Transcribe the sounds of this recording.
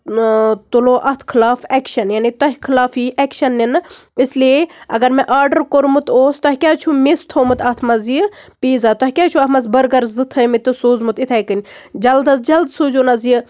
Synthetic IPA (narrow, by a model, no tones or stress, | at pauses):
t̪uloːʔɐt̪ʰkʰilaːfɛkʃɐnjaːnit̪ɐɦʲkʰilaːfiʔɛkʃɐnːinislieɐ̰ɡɐɾmɛ̃ʔaːɾɖɐɾkoɾmut̪oːst̪ɐɦʲikʲaːt͡ʃʰumist̪ʰoːmɨt̪ʰɐt̪ʰmɐzijpiːzaːt̪ɔɦʲikʲaːt͡ʃʰuɐt̪ʰmɐzbɐɾɡɐɾzɨt̪ʰɐmit̪ɨsuːzmut̪it̪ʰaːjkɨnʲd͡ʒɐld̪ɐsd͡ʒɐld̪suːd͡ʒuːnɐziji